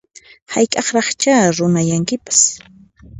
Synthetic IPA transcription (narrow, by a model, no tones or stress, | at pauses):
hajkʼɑχɾɑχt͡ʃaːɾʊnajaŋkɪpḁs